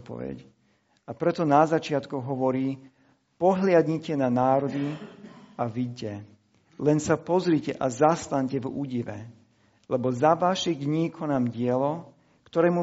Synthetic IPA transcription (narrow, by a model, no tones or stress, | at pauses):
t̪̚pɔ̰ʋɛ̰c | apɾɛt̪ɔnazat͡ʃɪat̪kuɣɦɔʋɔɾiː | pɔɦlɪad̪ɲicɛnanaːɾɔd̪i | aʋiɟcɛ | lɛnsapɔzɾicɛʔazast̪aɲcɛvṵːɟiʋɛ̰ | lɛbɔzaʋaʃid̪ɲiːkʰɔnaːmɟɪɛlɔ | kt̪ɔɾɛːmu